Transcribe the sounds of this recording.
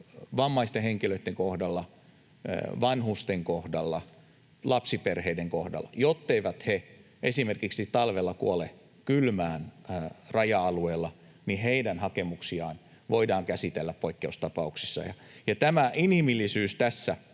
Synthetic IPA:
ʋɑmːɑist̪eheŋkiløit̪ːeŋkohdɑlːɑ̰ | ʋɑnhust̪eŋkohdɑlːɑ | lɑpsiperheideŋkohdɑ̰lːˑɑ̰jot̪ːeiʋæt̪he | ʔesimerkiksit̪ɑlʋelːɑkuole | kylmæːnrɑjɑɑlueːlːɑ | niheidænhɑkemuksiɑːn | ʋoidɑːŋkæsit̪elːæppoikːeust̪ɑpɑuksisːɑ̰jɑ̰ | jɑt̪æmæʔinhimilːisyːst̪æsːæ

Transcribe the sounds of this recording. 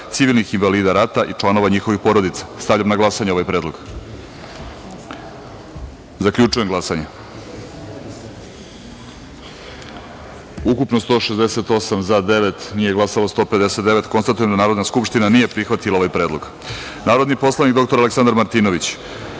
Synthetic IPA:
t̪siʋilnixinvaliːd̪aɾat̪aʔit͡ʂlˠano̞ʋaɲixo̞ʋixpo̞ɾo̞d̪it̪sḁst̪avʎamnaɡlˠasaɲeo̞ʋajpɾe̞ːd̪lo̞̰ɡ̥ | zakʎut͡ʂujeŋɡlˠasaɲe | ukupnost̪oʃezd̪ese̞t̪o̞samzad̪e̞ʋet̪nije̞ɡlˠasalost̪o̞ːpe̞d̪ese̞t̪d̪e̞ʋet̪ko̞nst̪at̪uje̞md̪anaːɾo̞d̪naskupʃt̪inanije̞pɾixʋat̪ilao̞ʋajpɾeːd̪lˠo̞ɡ̥ | naːɾo̞d̪nipo̞slˠanikd̪okt̪o̞ɾaleksand̪aɾmaɾt̪iːno̞ʋit͡ɕ

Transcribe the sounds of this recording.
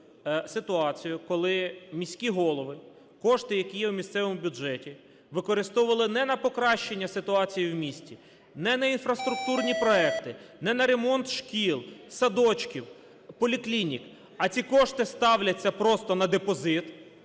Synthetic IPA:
sɪt̪ʊɑt͡sʲijʊkɔlˠɪmʲisʲkʲiɦɔlˠɔʋɪ | kɔʃt̪ɪjɐkʲijɛwmʲist̪sɛʋɔmʊbʲuʒɛtʲi | ʋɪkɔɾɪst̪ɔʊʋɐlˠɪnɛnɐpɔkɾɑʃt͡ʃenʲːɐsɪt̪ʊɑt͡sʲijiwmʲisʲtʲi | nɛnɐinfɾɐst̪ɾʊk̚t̪urnʲipɾɔɛkt̪ɪnɛnɐɾe̞mɔnt̪ʃkʲilˠsɐd̪ɔt͡ʃkʲiw | pɔlʲiklʲinʲik | ɐt͡sʲikɔʃt̪ɪst̪ɑwlʲɐt͡sʲːɐpɾɔst̪ɔnɐd̪epɔzɪt̪

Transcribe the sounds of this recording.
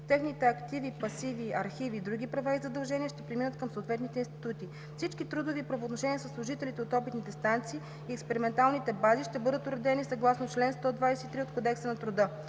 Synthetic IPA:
t̪ɛxnit̪ɛɐkt̪ivipɐsiviɐɾxiviːd̪ɾuɡʲipɾɐvaizɐd̪ɐlˠʒɛniəʃt̪ɛpɾiminət̪̚kəmsoːt̪vɛt̪nit̪ɛinst̪i̥t̪ut̪i | fsit͡ʃkit̪ɾud̪ovipɾɐvoːt̪noʃɛniəsəslˠʊʒit̪ɛlit̪ɛot̪ɔpit̪nit̪ɛst̪ant̪siː | iɛkspɛɾimɛnt̪alˠnit̪ɛbaziʃt̪ɛbɤd̪ət̪ʊɾɛd̪ɛnisɐɡlˠasnot͡ʃlɛnst̪ɔd̪vajsɛit̪ɾiot̪̚kod̪ɛksənɐt̪ɾʊd̪ɤ

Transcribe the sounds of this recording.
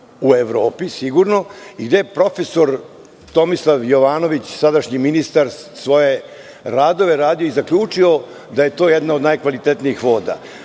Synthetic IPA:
ueʋɾo̞ːpisiɡuɾno̞iɡd̪ejpɾo̞fe̞so̞ɾ | t̪o̞mislˠaʋjo̞ʋaːno̞ʋit͡ɕsad̪aʃɲiminist̪aɾsʋo̞je̞ | ɾaːd̪o̞ʋe̞ɾaːd̪ioizakʎʲuːt͡ʂio̞ | d̪aje̞t̪o̞ːjed̪naod̪najkʋalit̪et̪niixʋo̞ːd̪a̰

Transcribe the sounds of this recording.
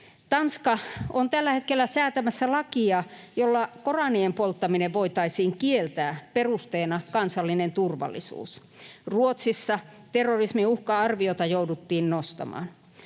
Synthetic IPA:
t̪ɑnskɑont̪ælːæhet̪kelːæsæːt̪æmæsːælɑkiɑjolːɑkorɑniempolt̪ːɑmineʋʋoit̪ɑisiːŋkielt̪æːperust̪eːnɑkɑnsɑlːinent̪urʋɑ̰lːˑḭsṵːs | ruot̪sisːɑt̪erːorismiuhkɑɑrʋiot̪ɑjoudut̪ːiːnnost̪ɑ̰mɑ̰ːn

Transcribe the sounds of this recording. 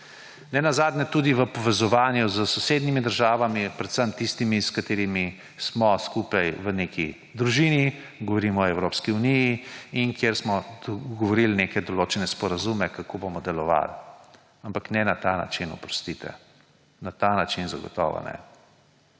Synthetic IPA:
nɛnazaːd̪nʲɛt̪ud̪iʋəpɔʋɛzɔʋaːnjuzəsɔseːd̪nimid̪əɾʒaːʋamipɾɛt̪səmt̪ist̪imiskat̪eːɾimi | smɔskuːpajʋəneːkʰi | d̪ɾuʒiːni | ɡɔʋɔɾimɔɔɛwɾoːpskiunijiinkjeɾsmɔɡɔʋɔɾilnekɛd̪ɔloːt͡ʃɛnɛspɔɾazumɛkakobomɔd̪ɛlɔʋa̰l | ampaknɛnat̪ana̰t͡ʃinɔ̰pɾɔst̪it̪ɛ̰ | nat̪anat͡ʃinzaɡɔ̰t̪ɔ̰ːʋɔ̰nɛ̰

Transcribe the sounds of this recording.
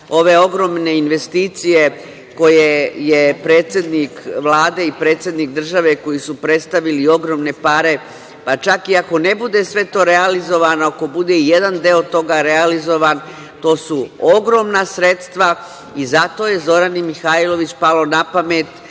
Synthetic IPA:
o̞ʋe̞o̞ɡɾo̞mne̞inʋe̞st̪iːt̪sije̞ | ko̞jejepɾe̞ːt̪sʲje̞d̪nikʋlˠaːd̪e̞ipɾe̞ːt̪sje̞d̪nik̚d̪r̩ʒaʋe̞ko̞jisupɾe̞t̪st̪aʋilio̞ɡɾo̞mne̞paɾe̞ | pat͡ʃakiako̞ne̞bud̪e̞sʋe̞t̪o̞ːɾealizo̞ʋanoako̞bud̪e̞ijed̪and̪eot̪o̞ɡaɾealizo̞ʋan | t̪o̞ːsuoɡɾo̞ːmnasɾe̞t̪st̪ʋa | izat̪o̞je̞zo̞ɾanimixailo̞ʋit͡ɕpalo̞napame̞t̪

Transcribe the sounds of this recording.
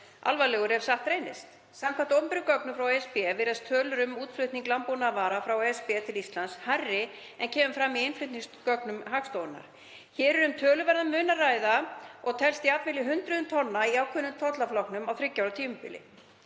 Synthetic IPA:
ʔa̰lvalɛːɣʏɾɛv̥saht̪ɾejnɪst̪ | samkʰamt̪ɔmpɪɾʏkœknʏfɾawɛspɛvɪɾast̪ʰœːlʏɾʏmuːt̪flʏht̪niŋklampunavaːɾafɾawɛspɛt̪ʰɪlist̪lansharːɪ | ɛncʰɛːmʏmfɾamːiɪnflʏht̪niŋskœknʏmɦakst̪oːwʏna̰ɾ̥ | çɛːɾɛɾʏmt̪ʰœːlʏɾvɛɾðamʏːnaraːjðaɔɣt̪ʰɛlst̪iat̪mɪlɪɦʏnt̪ɾʏðʏmt̪ʰɔnːaiawkʰvʏnʏmt̪ʰɔt̪laflɔwknʏmawθɾɪcːawɾat̪ʰiːmʏmpɪ̰lɪ̰

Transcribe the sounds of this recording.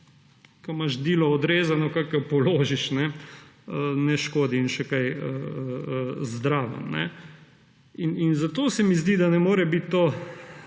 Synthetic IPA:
kɔmaʃd̪iːlɔɔd̪ɾeːzanɔkakapɔloːʒiʃnɛənɛʃkoːd̪iːnʃɛkajə | zd̪ɾaːʋə̰mnɛ̰ | ininzat̪oːsɛmizd̪id̪anɛmoːɾɛbit̪ːoː

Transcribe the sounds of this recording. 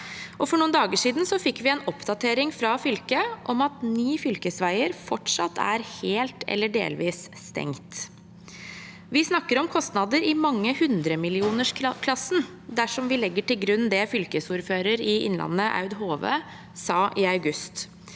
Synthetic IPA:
ʔɔfɔɳuːənd̪ɑːɡəʂiːd̪nsɔfɪkːʋɪɛːnɔpd̪ɑt̪ʰeːɾɪŋfɾɑfʏlkəʔɔmɑt̪nyːfʏlkəsʋæɪəɾfɔʈʂɑt̪ʰːæ̰ɾheːlt̪ɛ̰lːəɖḛːlʋiːsst̪ɛ̰ŋt̪ | ʋɪsnɑkːəɾɔmkʰɔst̪nɑd̪əɾɪmɑŋːəhʉnd̪ɾəmɪlɪuːnəʂkʰlɑsn | d̪æʂɔmʋɪlɛɡːəʈɪlɡɾʉnːd̪ɛfʏlkəsuːɾføːɾəɾɪʔɪ̰nlʔɑ̰nːəʔɑ̰ʉd̪ɦoːʋə̰ | sɑːʔɪɑʉɡʉst̪

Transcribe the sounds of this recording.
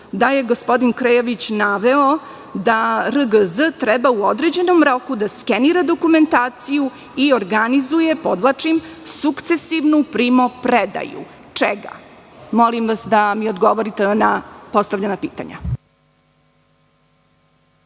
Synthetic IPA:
d̪aje̞ɡospo̞d̪inkɾejoʋit͡ɕnaʋeo | d̪aɾəɡəzət̪ɾɛbauod̪ɾed͡ʑe̞nomɾo̞kud̪askeniɾad̪o̞kume̞nt̪aːt̪siju | ioɾɡanizuje̞pod̪ʋlat͡ʂimsukt̪se̞siʋnupɾimopɾed̪a̰jṵ | t͡ʂɛ̰ɡa̰ | mo̞limʋasd̪amiod̪ɡoʋoɾit̪enapo̞st̪aʋvʎanapiːt̪a̰ɲa̰

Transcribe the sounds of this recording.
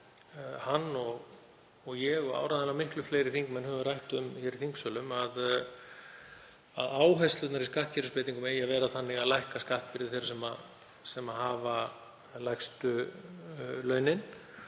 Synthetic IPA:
hanːɔɣ | ɔɣjɛɣɔa̰ːwɾaðɛlamɪhklʏfleːjɾɪθiŋkmɛnhœvʏrajht̪ʏmçɛɾiθiŋksœːlʏmað | a̰ðaːwɦajst̪ʏt̪naɾiskaht̪̚cʰɛɾʏspeːt̪iŋkʏmeːjavɛːɾaθanːɪɣaðlajhkaskaht̪̚pɪɾðɪθejɾsɛma̰ | sɛmaɦaːva | lajxst̪ʏ | lœːɥnɪn

